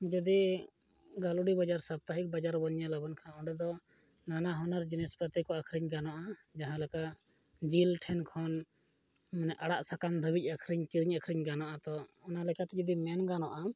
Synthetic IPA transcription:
d͡ʒəd̪i | ɡaluɽibad͡ʒaɾsab̚t̪aɦik̚bad͡ʒaɾbɔɲjalabɔnkʰanɔ̃ɖɛd̪ɔ | nanaɦɔnaɾd͡ʒinɛspɾɔt̪ɛkɔakʰɾiɲɡanɔʔad͡ʒaɦãlɛkaʔ | d͡ʒilʈʰɛnkʰɔn | mɛnɛʔaɽaʔsakamd̪ʱəbic̚akʰɾiɲkiɾiɲakʰɾiɲɡanɔʔat̪ɔːnalɛkat̪ɛd͡ʒɔd̪imɛnɡanɔʔam

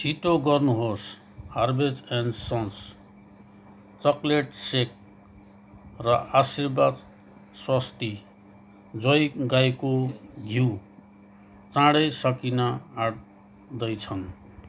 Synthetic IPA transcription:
sʰiʈoɡʌrnuɦos | harbed͡zensʌns | t͡sʌkleʈsek̚ | rʌasirbad̪ | swast̪i | d͡zʌjɡajkoɡʱiw | t͡sãɽʌjsʌkinʌaɽ | d̪ʌjt͡sʰʌn

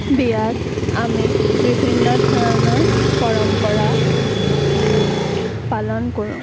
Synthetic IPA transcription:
bijaz | amibibʱinːɔdʱɔɔnɔɹbɔɹɔmpɔɹa | palɔnkoɹṵ̃

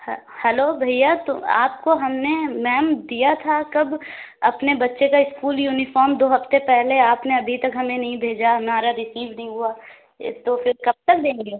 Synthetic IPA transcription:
h | hɛloːbʱɐijat̪ʊa̰ːp̚koɦɐmnemɛːmd̪ijat̪ʰakɐb | ɐpnebɐtːʃekaɪskuːljuːnɪfɔːɾmd̪oːɦɐft̪epɛɦleaːpneɐbʱit̪ɐkɦɐmẽnɐɦĩbʱeːd͡ʒaɦɐmaːɾaɾɪsiːʋnɐɦĩɦua | t̪ofɪɾkɐb̚t̪ɐk̚d̪ẽːŋɡeː

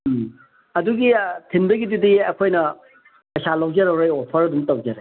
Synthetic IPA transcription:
ɐduɡitʰinbɐɡidudiɐkʰojnɐ | pɐjsalɐwd͡ʒeɾɐwɾejopʰɐɾɐdumtɐwd͡ʒeɾɐ

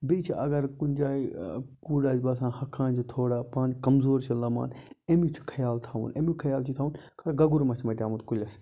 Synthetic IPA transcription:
bit͡ʃʰiʔɐ̰ɡɐɾkunʲd͡ʒaːikuːɖaːd͡ʒbɐːs̬ãːhɐkʰːãːnd͡ʒit̪ʰoːɽaːpãːnd͡ʒkɐmzoːɾt͡ʃʰɐlɐma̰ːnemit͡ʃʰu̥kʰɐjaːlt̪ʰaːʋṵnḛmikʰɐjaːlt͡ʃʰit̪ʰaːʋunkʰɐɾɡɐɡuɾmɐt͡ʃʰmɐt̪ʲaːmut̪kulʲɐs

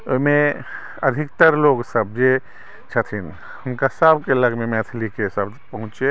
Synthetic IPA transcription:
oime | əd̪ʱikt̪əɾloɡsəb̚d͡ʒe | t͡ʃʰət̪ʰin | həmkasəbʱkeləɡmemɛt̪ʰlikesəb | pəɦũt͡ʃe

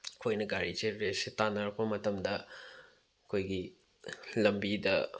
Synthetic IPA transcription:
kʰojnɐɡaɾiteɾesitanɐɾɐk̚pɐmɐtɐmdɐ | ɐkʰojɡi | lɐmbidɐ

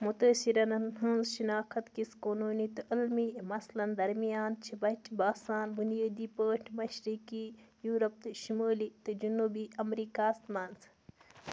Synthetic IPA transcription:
mut̪əːsiɾɐnɐnɦɐnzʃinaːkʰɐt̪kiskoːnuːnit̪ɨʔilmimɐslɐnd̪ɐɾmijaːnt͡ʃʰibɐʈʰbaːsaːnbunijaːd̪iːpəːʈʰmɐʃɾiːkijuːɾɐp̚t̪ɨʃimoːlit̪ɨd͡ʒunuːbiɐmɾiːkaːst̪mɐnz

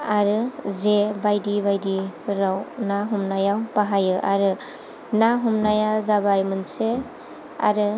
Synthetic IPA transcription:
aɾɯzebajdibajdiɾawnaɦumnajawpaɦajɯʔa̰ɾɯ | naɦumnajazabajmɯnse | a̰ɾɯ

